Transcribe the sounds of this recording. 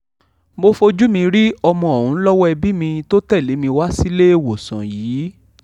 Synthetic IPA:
mo˧fo˧d͡ʒu˦mĩ˧ɾi˦ɔ˧mɔ̃˧ɔ˨ɾũ˨˦lɔ˦wɔ˦ɛ˧bi˦mĩ˧to˦tɛ˦˨le˨˦mĩ˧wa˦si˦le˦e˦˨wo˨sã̰˨jiː˨˦

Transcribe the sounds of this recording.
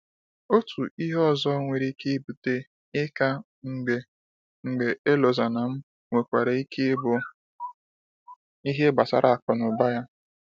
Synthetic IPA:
o˦tu˨i˦ɦɔ˦˨zɔ˦ŋʷe˨ɾi˦ke˦bu˨te˦ | ɪ˦ka˦ | ŋ̩˨ɡ͡be˨ | ŋ̩˨ɡ͡be˨ʔe˦lo˨za˨na˨m̩˦ | ŋʷe˨kʷa˨ɾe˨i˦ke˦bʊ˨ | i˦ɦe˦ɡ͡ba˨sa̰˨ɾʔa˨a˨k͡pɔ˨nʊ˨ba˦ja˦

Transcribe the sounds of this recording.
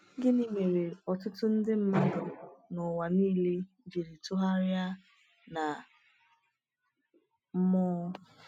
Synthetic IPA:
ɡɪ˦ni˦me˨ɾe˨ɔ˨tʊ˦tʊ˦n̩˦dɪ˦m̩˦ma˦dʊ˨nʊ˨wa˨niː˦le˦ | d͡ʒe˨ɾi˨tʊ˦ɦa˦ɾɪja˦ | na˨ | m̩˦mɔ˦

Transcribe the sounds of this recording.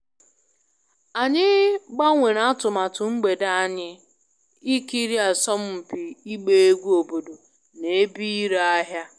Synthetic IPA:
a˨ɲɪ˦ɡ͡ba˦ŋʷe˨ɾa˦tʊ˨ma˨tʊ˨ŋ͡m̩˦ɡ͡be˨da˦a˦ɲɪ˦ | i˦ki˦ɾi˦a˨sɔ˦m̩˦m̩˨pi˨i˦ɡ͡be˦e˦ɡʷu˦o˨bo˨do˨ | ne˨˦bi˦i˦ɾa˦a˦ɦja˦

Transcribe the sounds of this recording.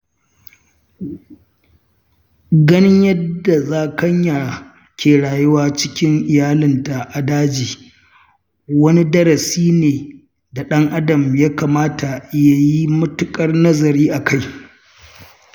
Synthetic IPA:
ɡɐ˦nɪ˦ɲjɐ˦dːa˨zaː˦kɐ˦ɲja˨ | kʲeː˨ɽaː˨jʊ˦waː˦t͡ʃɪ̥˦kʲɪ˦ŋʔɪ˨jaː˦lɪ˨nta˨ʔa˨daː˦d͡ʒiː˨ | wɐ˦ni˦dɐ˦ɾɐ˨siː˦neː˨ | da˨ɗɐ˦ŋʔa˦dɐ˨mja˦kaː˨maː˦ta˨ʔɪ˦ja˨ji˦mʊ˦tʊ˦kʼɐ˦rnɐ˦zɐ˨ɾiː˦ʔa˨kʰa˦˨j

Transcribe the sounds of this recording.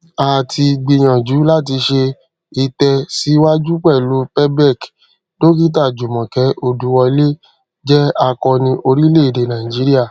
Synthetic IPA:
a˨tʰi˧ɡ͡bi˧j̃ã˨d͡ʒu˨˦la˦t̬i˧ʃe˧ | i˧tɛ˧si˨˦wa˦d͡ʒu˦k͡pɛ˦˨lu˨˦pɛ˦bɛ˦˨k | to˦k̬i˦t̬a˦˨d͡ʒu˨mɔ̃˨kɛ˨˦o˧du˨˦wɔ˧i˧le˦ | d͡ʒɛ˦a˧kɔ˧nĩ˧ʔo˧ɾi˦le˦˨i˨de˨nã˨ĩ˨d͡ʒi˨˦ɾi˦a˦˨

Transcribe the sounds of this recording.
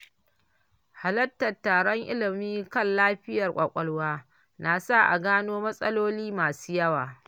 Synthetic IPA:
ha˨lɐ˦tːɐ˨tːaː˨ɽɔ˦ŋʔɪ̰˦lɪ˨miː˦kɐ˦˨nlaː˦ɸɪ˦jɐ˨rkʷʼɐ˨kʷʼɐ˨lwaː˦ | na˨sa˦˨ʔa̰˨ɡaː˦noː˦mɐ˦sʼɐ˦loː˦liː˦maː˨suː˦jɐ˦waː˨

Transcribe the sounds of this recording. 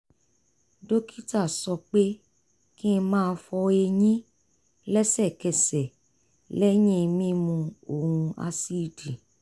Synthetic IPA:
do˦kʰi˦ta˦˨sɔ˧k͡pe˦ | kĩ˦˧mãː˦˧˦fɔ˧e˧ɲĩ˦ | lɛ˦sɛ˦˨kɛ˨sɛ˨ | lɛ˦j̃ĩ˦˧mĩ˦mũ˧o˦˨hũ˧a̰˧si˦˨di˨

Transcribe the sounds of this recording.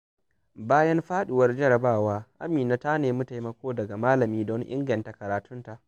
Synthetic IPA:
baː˦jɐ˦nɸaː˦ɗɪ˨wɐ˦rd͡ʒɐ˦ɾɐ˨baː˦˨waː˦ʔa̰˦miː˨naː˦ta˦neː˨mɐ˦ta˨jmɐ˦kʷoː˦dɐ˨ɡa˨maː˦lɐ˨miː˦dɔ˦ŋʔɪ̰˦ŋɡɐ˨nta˨kɐ˨ɾaː˨tʰʊ˦nta˨ʔ

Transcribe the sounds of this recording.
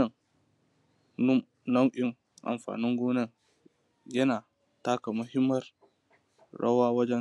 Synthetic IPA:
ɐ˨ŋ˦ | nɐ˦mʔɪ˦ŋ | ʔa̰˨mɸa̰ː˨nɪ˦ŋɡʷuː˦nɐ˦ŋ | jɐ˦naː˨ | taː˦ka˨mʊ˦hɪ˦mːɐ˦r | ɽɐ̰˦waː˦wɐ˦d͡ʒɛ˦

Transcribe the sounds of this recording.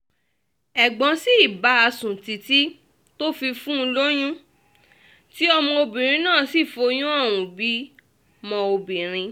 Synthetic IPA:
ɛ˨ɡ͡bɔ̃˨˧˦si˦i˦˨ba˨˦a˧sũ˨ti˨ti˦ | to˦fi˧fũ˦˧lo˦j̃ũ˦ | ti˦ɔ˧mɔ̃˧o˧bĩ˨ɾ̃ĩ˧nãː˦˨si˦˨fo˧j̃ũ˦ɔ˦˨w̃ũ˨bi˨˦ | mɔ̃˧o˧bĩ˨ɾ̃ĩ˧

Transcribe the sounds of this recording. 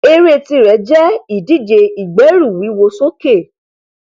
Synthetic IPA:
e˧ɾe˦˧˨ti˧ɾɛ˨˦d͡ʒɛ˦i˨di˦˨d͡ʒe˧i˨ɡ͡bɛ˨˦ɾu˦˨wi˨˦wo˧so˦ke˦˨

